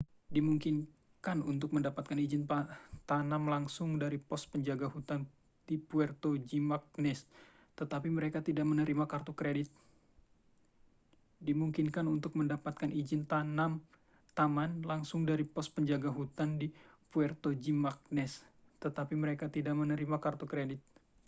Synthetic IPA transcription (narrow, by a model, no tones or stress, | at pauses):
dimuŋkin | kanunt̪ʊk̚məndapat̪̚kanid͡ʒɪnpat̪anamlaŋsʊŋdaɾipɔspəɲd͡ʒaɡaɦut̪an | dipuɛrt̪od͡ʒimak̚nɛs | t̪ət̪apiməɾekat̪idaʔmənəɾimakart̪ukɾedɪt̪̚ | dimuŋkɪnkanunt̪ʊk̚məndapat̪̚kanʔid͡ʒɪnt̪anam | t̪amanlaŋsʊŋdaɾipɔs̚pəɲd͡ʒaɡaɦut̪andipuɛrt̪od͡ʒimak̚nɛs | t̪ət̪apiməɾekat̪idaʔmənəɾimakart̪ukɾedɪt̪̚